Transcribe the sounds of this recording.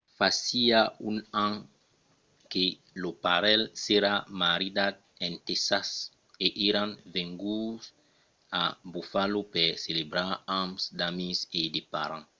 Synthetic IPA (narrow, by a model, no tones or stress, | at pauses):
fasiaũnãŋ | ke | lopaɾɛlseɾamaɾid̪ad̪̚ | ẽnt̪esas | eʔiɾãŋvẽŋɡus | abufalopɛɾselebɾaɾãmsd̪amized̪epa̰ɾã